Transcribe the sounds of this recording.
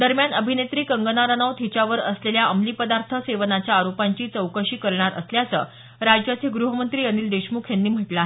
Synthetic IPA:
d̪əɾmjanəbʱinet̪ɾiːkəŋɡənaɾənəʋt̪ʰit͡ɕaʋəɾəsleljaʔəmliːpəd̪aɾt̪ʰəseʋnat͡ɕjaːɾopaɲt͡ɕiːt͡səwkəɕiːkəɾɳaɾə̰sljat͡səː | ɾad͡ʑjat͡sʰeɡɾuɦəmənt̪ɾiːəniːld̪eɕmukʰjanːiːm̤əʈlaɦe

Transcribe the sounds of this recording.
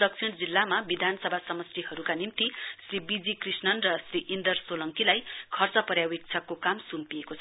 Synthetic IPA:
d̪ʌksʰiɽd͡zilːamabid̪ʱanʌsʌbʱasʌmʌstihʌɾukanimt̪isribid͡zikrisnʌnrʌsriʔind̪ʌrsolʌŋkilajkʰʌrt͡sʌpʌrjawik̚t͡sʰʌkːokamsumpijekot͡sʰʌ

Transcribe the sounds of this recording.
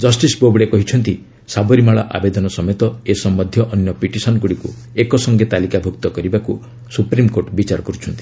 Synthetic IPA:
d͡ʒɔsʈisbobɽekɔɦit͡ʃʰɔnt̪i | sabɔɾimaɭɔʔa̰bed̪ɔnɔsɔmet̪ɔesɔmːɔd̪ʱjɔʔɔnjɔpiʈisɔnkuɽikṵ | ekɔsɔŋɡet̪alikabʱukt̪ɔkɔɾibaku | supɾimkoɾʈbit͡ʃaɾɔkɔɾut͡ʃʰɔnt̪i̥

